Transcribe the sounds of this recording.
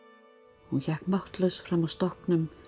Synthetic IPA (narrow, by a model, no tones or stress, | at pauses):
hunçakmɔht̪ləsfɾamɔst̪ɔknʏm